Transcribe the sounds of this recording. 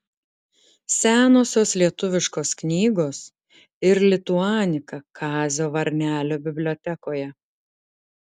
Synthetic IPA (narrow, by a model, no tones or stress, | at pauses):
sʲæːnoːsʲoːslʲiɛt̪ʊʋʲɪʃkoːsknʲiːɡoːs | ɪɾlʲɪt̪ʊɑːnʲɪkɐkʰɑːzʲoːʋɐɾʲnʲæːlʲoːbʲɪbʲlʲoːt̪ʲɛkoːjɛ